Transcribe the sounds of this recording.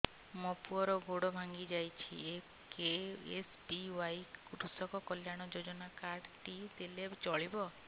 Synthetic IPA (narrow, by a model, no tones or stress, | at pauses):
mɔpuɔɾɔɡoɽɔbʱaŋɡid͡ʒajt͡ʃʰḭe | keespiwajkuɾusɔkɔkɔljaɽ̃ɔd͡ʒod͡ʒɔnakaɾɖʈit̪elet͡ʃɔɭibɔ